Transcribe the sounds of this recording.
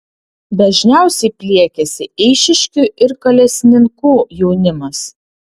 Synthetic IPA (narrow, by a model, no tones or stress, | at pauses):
d̪ɐʒʲnʲæˑʊsʲɛɪpʲlʲiɛkʲɛsʲɪɛɪʃʲɪʃʲkʲuʔɪɾkɐlʲɛsʲnʲɪŋkuːjɛʊnʲɪmɐs